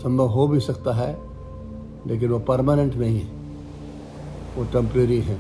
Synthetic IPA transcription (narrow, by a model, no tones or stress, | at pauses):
sɐ̃mbʱəʋɦobʱisɐkt̪aɦɛ | lʔeːk̬ɪnʋopɐɾmaːnə̃ɳʈmẽɦĩɦɛ̃ | ʋoʈɛ̃mpɾeːɾiɦɛ̃ː